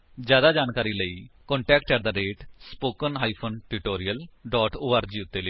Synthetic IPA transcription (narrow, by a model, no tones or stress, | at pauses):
d͡ʒjaːd̪aːd͡ʒaːnkaːɾiːləiːkɔ̃ːɳʈɛːk̚ʈkəɾd̪aːɾeːʈspoːkənɦaːiːpʰoːnʈuʈoːɾɪjəlɖɔːʈoːaːɾd͡ʒiːʊt̪ːeːleː